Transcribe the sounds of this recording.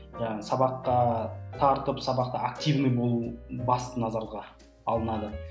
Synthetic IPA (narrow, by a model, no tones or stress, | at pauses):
ʒɑɑsɑbɑqːɑt̪ʰɑɾt̪əpsɑbɑq̚t̪əak̚t̪ivnɨjbolˠbɑst̪ənɑzɑɾlˠəʁɑ | ɑlˠənɑd̪ə